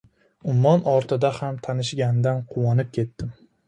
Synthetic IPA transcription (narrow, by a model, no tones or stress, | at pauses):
ʊmːɒnɒɾt̪ʰɪd̪ahamt̪ʰanɪʃɡʲand̪anqʰʊwɒnɪp̚kʲʰe̞t̪ːɪm